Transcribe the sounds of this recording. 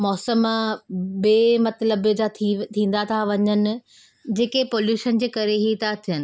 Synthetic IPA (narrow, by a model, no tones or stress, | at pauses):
mɔːsəmãbeːmɐt̪ləbd͡ʑat̪ʰĩːn̆d̪at̪ʰaʋɐɲənɪ̆ | d͡ʑeːkepoːljuːʃənd͡ʑeːkɐɾeɦit̪ʰat̪ʰijənɪ̆